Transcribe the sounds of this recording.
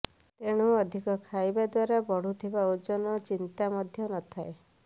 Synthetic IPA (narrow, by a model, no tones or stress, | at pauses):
t̪eɽ̃uɔd̪ʱikɔkʰajbad̪waɾabɔɽ̤ut̪ʰibaud͡ʒɔnɔt͡ʃint̪amɔd̪ʱjɔnɔt̪ʰae